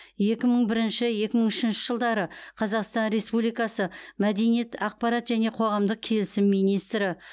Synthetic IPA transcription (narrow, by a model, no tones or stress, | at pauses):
je̞kʲɪməɴbɪɾɪnʃɪje̞kʲɪməɴʏʃɪnʃɪʒəlˠd̪ɑɾəqʰɑzɑqst̪ɑnɾe̞spublijkɑsəmæd̪e̞nijet̪ʰɑq̚pɑɾɑt̪ʒæne̞qʰo̞ʁɑmd̪əq̚kʲʰe̞lɪsɪmːijnijst̪ɾɪ